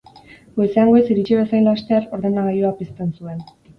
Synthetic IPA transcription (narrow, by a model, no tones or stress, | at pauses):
ɡoseaŋɡoesiɾit͡ʃiβesajlast̪eɾo̞ɾðe̞naɣajoapist̪e̞nsue̞n